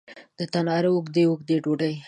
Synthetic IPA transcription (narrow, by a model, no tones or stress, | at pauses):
d̪̥ət̪anɑɾəʊɡd̪eʊɡd̪eɖoɖəj